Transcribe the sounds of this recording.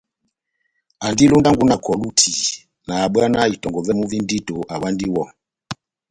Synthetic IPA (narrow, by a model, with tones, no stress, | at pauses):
a˨ndi˦lo˦nda˦ŋɡu˦na˨kʰɔ˨lu˦tʰi˨ | naː˨ɓa˦na˦i˨tɔ˨ŋɡɔ˨vɛ˦mu˦vi˦ndi˦to˨ʔa˨wa˦ndi˦wɔ˦